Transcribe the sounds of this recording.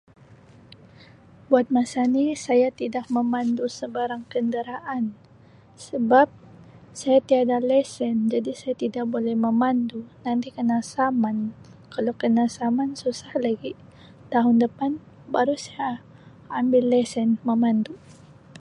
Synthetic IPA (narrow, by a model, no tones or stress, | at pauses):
buat̪̚masanisajat̪idak̚məmandusəbaɾaŋkəndəɾaʔan | səbap̚ | sajat̪iadalɛsɛnd͡ʒadisajat̪idak̚bolɛhməmandunant̪ikənasaman | kalawkənasamansusahlaɡi | t̪aɦʊndəpan | baɾusaja | ambɪlːɛsɛnməmand̪u